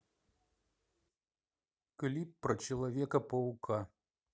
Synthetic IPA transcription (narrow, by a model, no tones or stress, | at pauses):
klʲipːɾɐt͡ʃɛlˠɐvʲɛkɐpɐukʰa